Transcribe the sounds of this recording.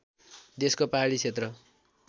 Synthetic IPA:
d̪eskopaɦaɽit͡sʰet̪rʌ

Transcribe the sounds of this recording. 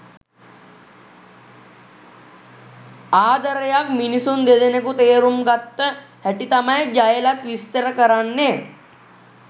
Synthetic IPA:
aːd̪əɾəjakminisund̪ed̪enekut̪eːɾumɡat̪ːə | hɛʈit̪amajd͡ʒajəlat̪ʋist̪əɾəkəɾanːe

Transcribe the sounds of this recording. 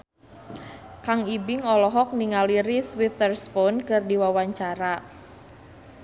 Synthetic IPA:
kaŋibɪŋɔlɔɦɔk̚niŋaliɾiswit̪ərspɔnkɨrdiwawaɲt͡ʃaɾa

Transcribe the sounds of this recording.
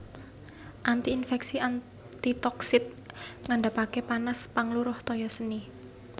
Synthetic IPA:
ʔant̪iːnfɛksian | t̪it̪ɔksɪt̪̚ŋaɳɖapakepanaspaŋluɾʊht̪ɔjɔsəni

